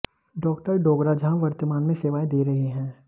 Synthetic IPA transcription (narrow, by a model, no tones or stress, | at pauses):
ɖɔːkʈəɾɖoːɡɾad͡ʒɐɦãʋɐɾt̪əmaːnmẽseːʋaːẽd̪eːɾɐɦiɦɛ̃ː